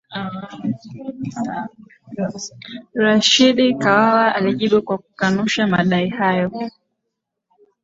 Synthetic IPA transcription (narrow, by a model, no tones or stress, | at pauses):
ɾaʃiɗikawawaʔaliʄiɓukwaku̥kanuʃamaɗaihajɔ